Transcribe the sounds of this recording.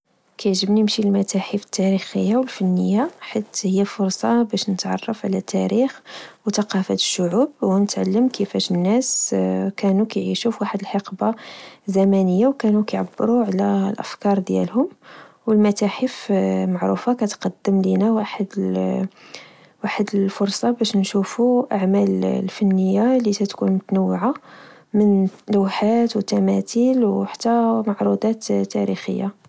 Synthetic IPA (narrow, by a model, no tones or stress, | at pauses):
kæjʕʒəbniəmʃilmæt̪æħəfə̥t̪ːæɾixəjːawəlfænːəjːaħit̪həjːæfʊɾˤsˤɑbæʃnət̪ʕɑ̰rˤːɑfʕlæt̪ːæɾixwt̪ɑqɑfæt̪ə̥ʃːʊʕub̚wnət̪ʕalːəmkʰəfæʃənːæskænukæjʕiʃufwaħəd̪əlħɑqbazæmænəjːawkænukæjʕabːɾuʕlælʔə̰fkɑɾˤd̪jæ̰lhʊm | wəlmæt̪æħəfmaʕɾṵfakæt̪qɑd̪ːəmlinæwaħəd̪ | waħəd̪əlfʊɾˤsˤɑbæʃnʃufuʔaʕmællfənːəjːalisæt̪kunmʊt̪nəwːʕa | mənlwħat̪wət̪ːæmæt̪ilwħḁt̪ːæmaʕɾˤud̪ɑt̪t̪ːæ̰ɾḭxə̰jːa